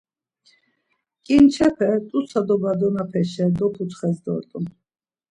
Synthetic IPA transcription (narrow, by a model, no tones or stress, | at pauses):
kʼint͡ʃʰɛpʰɛt̪ʼusad̪ɔbad̪ɔnapʰɛʃɛd̪ɔpʰut̪ʰχɛsd̪ɔ̰ɾt̪ʼu